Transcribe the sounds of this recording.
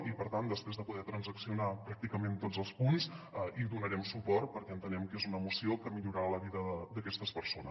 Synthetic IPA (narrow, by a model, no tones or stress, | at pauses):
ipəɾt̪and̪əspɾezðəpuðɛt̪ɾənzəksiunapɾak̚t̪ikəment̪od͡zəlˠspunzəʔiðunəɾɛmsupɔrt̪̚pəɾkɛənt̪ənɛmkezunəmusiokəmiʎuɾaaləβiðəəd̪əkɛst̪əspəɾsonə